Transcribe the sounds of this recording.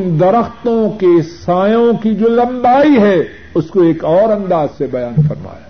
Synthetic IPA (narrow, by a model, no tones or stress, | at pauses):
nd̪ɐɾəxt̪õkesaːjõkid͡ʒoːlɐ̃mbaːiɦɛ | ʊskoeːkɔːɾɐ̃nd̪aːz̥sebɐjaːnfɐɾma̰ːja̰ː